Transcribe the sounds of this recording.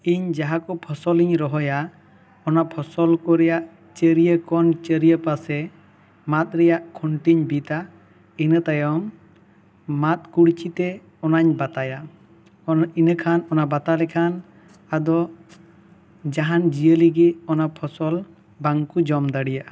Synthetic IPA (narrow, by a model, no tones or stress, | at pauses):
iɲd͡ʒaɦakɔpʰɔsɔliɲɾɔɦɔja | ɔnapʰɔsɔlkɔɾɛjaʔ | t͡ʃəɾijəkɔnt͡ʃəɾijəpasɛ | mat̪̚ˀɾɛjaʔkʰɔɳʈiɲbit̪a | inət̪ajɔm | at̪̚kuɽt͡ʃʰit̪ɛ | ɔnaɲbat̪aja | inəkʰanɔnabat̪alɛkʰan | ad̪ɔ | d͡ʒaɦand͡ʒijəliɡɛɔnapʰɔsɔl | baŋkud͡ʒɔmd̪aɽijaʔa